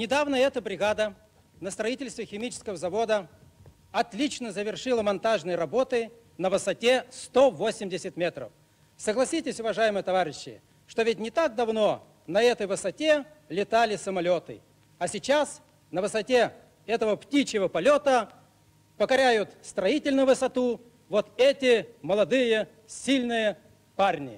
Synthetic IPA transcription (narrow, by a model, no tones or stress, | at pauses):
nʲɪd̪avnəɛt̪əbɾʲɪɡad̪ə | nəst̪ɾɐitʲɪlʲst̪vʲɪxʲɪmʲit͡ɕɪ̥skəvəzɐvo̞d̪ə | ɐt̪lʲit͡ɕnəzəvʲɪrʂɨlˠəmɐnt̪aʐnɨjəɾɐbo̞t̪ɨ | nəvɨsɐtʲe̞st̪ovosʲɪmdʲɪsʲɪt̪ʲmʲet̪ɾə̰f | səɡlˠɐsʲitʲɪsʲʊvɐʐajɪmɨjət̪ɐvaɾʲɪɕːɪ̰ | ʂt̪ovʲɪt̚ʲnʲɪt̪ak̚d̪ɐvno̞ | nɐɛt̪əjvɨsɐtʲe̞lʲɪt̪alʲɪsəmɐlʲo̞t̪ɨ̰ | ɐsʲɪt͡ɕas | nəvɨsɐtʲe | ɛt̪əvəptʲit͡ɕɪvəpɐlʲo̞t̪ə | pəkɐɾʲæjʊt̪st̪ɾɐitʲɪlʲnʊvɨsɐt̪u | vot̪ɛtʲɪməlˠɐd̪ɨjə | sʲilʲnɨjə | parnʲɪ̰